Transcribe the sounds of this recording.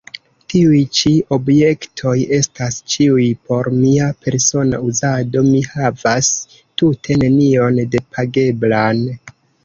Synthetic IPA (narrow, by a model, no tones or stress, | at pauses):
tiujt͡ʃio̞bje̞ktʰo̞je̞stast͡ʃiujpʰo̞ɾmiapʰe̞ɾso̞na̰uzado̞mihavas | tutʰe̞ne̞nio̞nde̞pʰaɡe̞blan